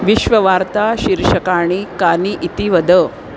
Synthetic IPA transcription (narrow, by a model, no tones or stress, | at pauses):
ʋiʃʋɐʋaːɾt̪aʃiɾʃɐkaːɳ̃ikaːniʔit̪iʋɐd̪ə